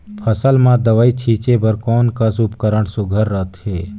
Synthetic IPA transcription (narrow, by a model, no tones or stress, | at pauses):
pʰəsəlmãd̪əʋaːit͡ʃʰiːt͡ʃebəɾkɔːnkasupkəɾəɽsʊɡʱəɾːət̪ʰɦeː